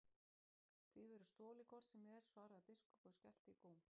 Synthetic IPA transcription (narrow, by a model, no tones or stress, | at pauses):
θvivɛɾʏst̪ɔːlɪkʰɔɾ̥t̪sɛmɛɾ̥svaːɾaapɪskʏkɔscɛl̥t̪ɪkoːwm